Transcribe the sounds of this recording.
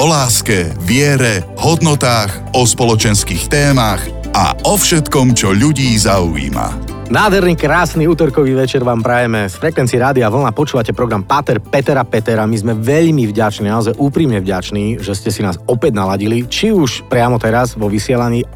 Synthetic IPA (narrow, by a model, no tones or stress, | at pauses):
ɔlaːskɛʋɪɛɾɛ | hɔd̪nɔt̪aːɣ | ɔspɔlɔt͡ʃɛnskiːxt̪ɛːmax | a̰ʔɔfʃɛt̪kɔmt͡ʃɔʎuɟiːzaṵḭːma̰ | naːd̪ɦɛɾniːkɾaːsniuːt̪ɔɾkɔʋiːʋɛt͡ʃɛɾʋaːmpɾajɛmɛsfɾɛkʋɛnt͡siːɾaːd̪iaʋl̩napɔt͡ʃuːʋacɛpɾɔɡɾampat̪ɛɾpɛt̪ɛɾapɛt̪ɛɾamizmɛʋɛʎmivɟat͡ʃniːnaɔzajʔuːpɾimɲɛvɟat͡ʃniːʒɛscɛsinaːsɔpɛɟnalaɟilit͡ʃiuʃpɾɪamɔt̪ɛɾazʋɔʋisɪɛlaɲiː